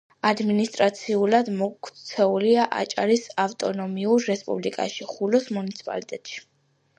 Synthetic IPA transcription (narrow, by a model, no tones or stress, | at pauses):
ad̪minist̪ʼɾat̪sʰiulad̪mɔkʰtt̪sʰɛuliaʔa̰t͡ʃʼa̰ɾisaft̪ʼɔnɔmiuɾːɛspʼṵblikʼa̰ʃiχulɔsmunit̪sʰi̥pʼa̰lit̪ʼɛt̪ʼʃi̥